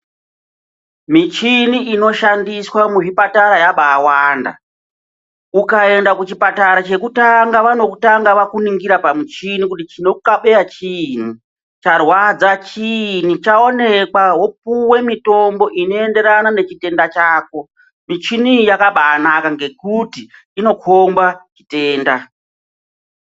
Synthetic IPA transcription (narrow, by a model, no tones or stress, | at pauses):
mit͡ʃiniino̞ʃandiswamuʐipataɾajaɓaːwaːnda̰ | ukae̞ndakut͡ʃipataɾat͡ʃe̞kutaŋɡaʋano̞kutaŋɡaʋakuniŋɡiɾapamit͡ʃinikutit͡ʃinoukaɓe̞jat͡ʃin̤u | t͡ʃarwad͡zat͡ʃin̤ut͡ʃao̞ne̞kwaɦo̞p̚uwe̞mito̞mbo̞ʔino̞e̞nde̞ɾanane̞t͡ʃite̞ndat͡ʃaːko̞ | mit͡ʃinijakaɓaːnakaŋɡe̞kuti | ino̞kʰombat͡ʃite̞ːnda